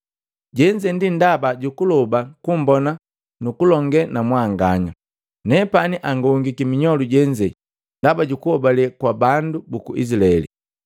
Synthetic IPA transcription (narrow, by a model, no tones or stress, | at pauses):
ɟɛɲd͡ʒɛndindabaɟukulɔbakumbɔna | nukulɔŋɡɛnamwaŋɡaɲa | nɛpaniʔaŋɡɔŋɡikimiɲɔluɟɛɲd͡ʒɛ | ndabaɟukuhɔbalɛkwabandubukuʔḭsilaɛlḭ